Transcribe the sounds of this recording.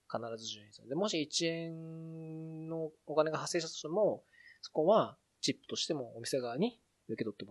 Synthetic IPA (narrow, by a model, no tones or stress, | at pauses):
kanaɾazɨʑɨːɲĩsed̪e̞mo̞ɕiːt͡ɕiẽ̞n | no̞okane̞ɡaɦasːe̞ːɕ̬it̪at̪oɕit̪emo̞ | so̞̥ko̞βa | t͡ɕipːɯ̥t̪o̞ɕi̥t̪e̞mo̞ːmʲise̞ɡaɲ̟i | ɯ̟ke̞t̪o̞t̪ːema